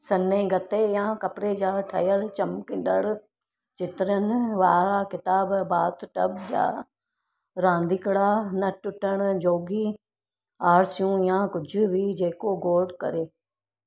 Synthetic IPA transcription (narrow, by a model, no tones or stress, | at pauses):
sɐnẽːɡɐt̪ejãːkɐpɾed͡ʒaːʈʰɐjəlt͡ʃɐmkɪ̃n̆d̪əɽ | d͡ʒɪt̪ɾənʋaːakɪt̪aːbbaːt̪ʈəbd͡ʒa̰ː | ɾãːnd̪ikɽaːnɐʈʊʈːəɽ̃d͡ʒoːɡiː | aːɾsijũːjãːkʊd͡ʒʱʊbiːd͡ʒeːkoɡoːʈkɐ̰ɾeː